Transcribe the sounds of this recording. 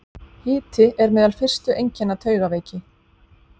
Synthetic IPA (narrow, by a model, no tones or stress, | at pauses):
hɪːt̪ɪʔɛɾmɛːðalfɪr̥st̪ʏʔejɲcɛnːat̪ʰœːɥɣaveːjcɪ